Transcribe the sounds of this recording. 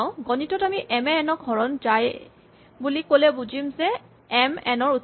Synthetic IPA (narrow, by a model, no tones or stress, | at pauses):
ʊ̃ɡɔnitɔtamiʔɛmɛːnɔk̚ɡʱɔɹɔnzaj | bulikolɛbuzimzɛ | ɛmɛ̰nɔɹu